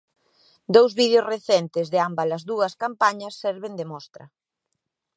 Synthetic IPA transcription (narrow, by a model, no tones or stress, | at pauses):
d̪owzβiðjozreθɛnt̪ɪzðɪambɐlɐzðuɐskampaɲɐsːɛɾβend̪emɔst̪ɾɐ̰